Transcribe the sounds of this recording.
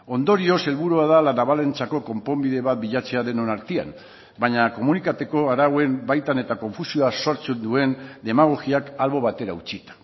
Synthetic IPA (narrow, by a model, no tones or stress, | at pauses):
o̞nd̪o̞ɾio̞se̞lβuɾuaðalanaβale̞nt͡sako̞ko̞mpo̞mbiðe̞βat̪̚biʎat͡se̞aðe̞no̞naɾt̪ia̰n | baɲako̞munikat̪e̞ko̞aɾawe̞nbajt̪ane̞t̪ako̞ɱfusio̞aso̞ɾt͡send̪ue̞nd̪e̞maɣ̞o̞ɣiakalβo̞β̞at̪e̞ɾaut͡ʃit̪ḁ